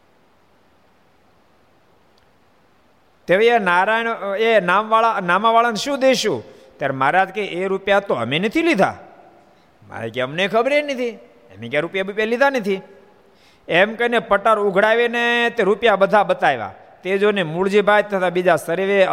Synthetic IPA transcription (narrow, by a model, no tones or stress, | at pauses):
t̪eʋeenaɾajnenamʋaɭanamaʋaɭanʃũd̪eʃũ | t̪jaɾmaɾad͡ʒkeʔeɾupjat̪oə̰menət̪ʰilid̪ʱa̰ | ma̰ɾḛkeəmnekʰəbɾenət̪ʰi | ḛmekjaɾupjabupjalid̪ʱanət̪ʰi | emkəinepəʈəɾʊɡʱɽajʋenet̪eɾupjabəd̪ʱabət̪ajʋa̰ | t̪ed͡ʒonemuɭd͡ʒibʱajt̪ʰːət̪abid͡ʒasəɾeʋe